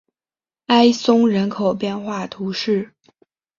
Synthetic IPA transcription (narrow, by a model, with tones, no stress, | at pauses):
a˥ɪsʊ˥ŋɻə˧˥nkʰo˨˩ʊpjɛ˥˧nxwa˥˩t̪ʰu˧˥ʂɻ̩˥˩